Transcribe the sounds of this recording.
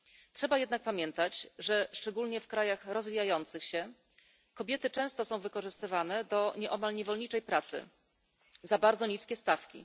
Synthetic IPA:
tʂɛbajɛd̪nak̚pamʲjɛnt̪at͡ɕʐɛʂt͡ʂɛɡulɲɛfkɾajaxɾɔzvʲijajɔnt̪sɘxɕɛ | kɔbʲjɛt̪ɘt͡ʂɛ̃w̃st̪ɔsɔ̃w̃vɘkɔʐɘst̪ɘvanɛd̪ɔɲɛʔɔmalɲɛvɔlɲit͡ʂɛjpɾat̪sɘ̰ | zabaɾd̪zɔɲiskʲɛst̪afkʲḭ

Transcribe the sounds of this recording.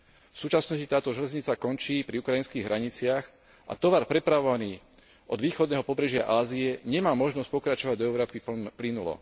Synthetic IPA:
fsuːt͡ʃasnɔscit̪aːt̪ɔʒɛlɛzɲit͡sakɔnt͡ʃiːpɾiukɾajinskiːɣɦɾaɲit͡sɪax | ʔa̰t̪ɔʋaɾpɾɛpɾaʋɔʋaniː | ʔɔd̪ʋiːxɔd̪nɛːɦɔpɔbɾɛʒɪa̰ʔaːziɛɲɛmaːmɔʒnɔsc̚pɔkɾat͡ʃɔʋaɟd̪ɔɛʊɾɔːpiplinulɔ̰

